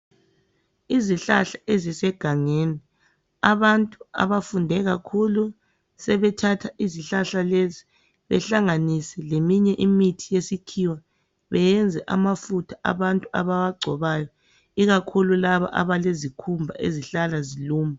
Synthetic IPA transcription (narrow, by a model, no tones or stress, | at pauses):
iziɬaɬaezisɛɡ̥ʱaŋeːni | aβantʼua̰βafundʱɛɣakʰulu | sɛβɛtʰatʰaiziɬaɬalezi | βɛ̰ɬaŋanisɛlemiɲɛʔimitʰijesikʰiwa | βɛjɛnd͡zʱɛʔamafutʰaʔa̰βantʼua̰βawaɡ͡ǀʱɔβajɔ | iɣakʰululaβa̰ʔa̰βalezikʰumbʱa̰ʔḛziɬalaziluːma